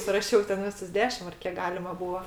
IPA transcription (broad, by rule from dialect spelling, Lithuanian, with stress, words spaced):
sʊrɐˈʃʲɛʊ tʲɛn ˈʋʲɪsʊs ˈdʲæːʃʲɪm ɐr ˈkʲiɛk ˈɡɑːlʲɪmɐ ˈbuːɐ